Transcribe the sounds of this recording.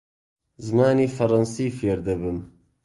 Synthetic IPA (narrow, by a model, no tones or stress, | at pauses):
zɨmaːniːfɐɾˤɐnsiːfeːɾd̪ɐbɨm